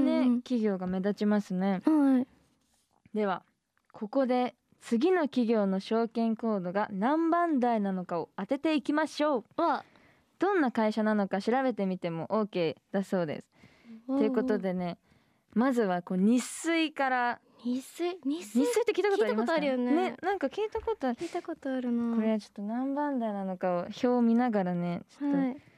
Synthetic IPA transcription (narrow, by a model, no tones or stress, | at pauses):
nekʲiɡʲo̞ːɡame̞d̪at͡ɕimasɨne̞ | d̪e̞βa | kʰo̞ko̞d̪e̞ | t͡sɨɡʲino̞kʲiɡʲo̞ːno̞ɕo̞ːkẽ̞ŋko̞ːd̪o̞ɡanãmbãnd̪ainano̞kao̞at̪e̞t̪e̞ikʲimaɕo̞ː | d̪̥õ̞nːakaiɕanano̞kaɕiɾaβe̞t̪e̞mʲit̪e̞mo̞ʔoːke̞ːd̪̥aso̞ːd̪ḛsɨ̥ | t̪e̞ɯ̟ko̞t̪o̞d̪e̞ne̞ | mazɨβako̞ːɲ̟isɨikaɾa | isɲisːɨit̪ːekiːt̪akotoaɾimoast̪oaɾɯjonnenãŋkakʲiːt̪ako̞t̪oit̪akot̪oaɾɯ̟noko̞ɾe̞βat͡ɕo̞̥t̪ːo̞nãmbãnd̪ainano̞kaoço̞ːmʲinaɡaɾane̞t͡ɕo̥t̪ːo